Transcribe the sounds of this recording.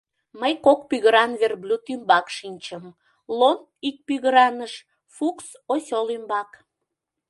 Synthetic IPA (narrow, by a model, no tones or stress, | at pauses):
məjkokpyɣəɾɑnβerblʲut̪ymbɑkʃinʲt͡ɕəm | lon | ik̚pyɣəɾɑnəʃ | fuks | osʲolymbɑk